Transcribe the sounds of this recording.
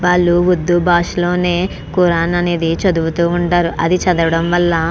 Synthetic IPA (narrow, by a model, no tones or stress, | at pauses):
ʋaːɭːuʋud̪ːubaːʂlo̞ːne̞ː | kuɾaːnɐneːd̪it͡ʃɐd̪uut̪uːɳʈaːɾuʔɐd̪it͡ʃɐd̪ɐʋɐɽɐmʋɐlːɐ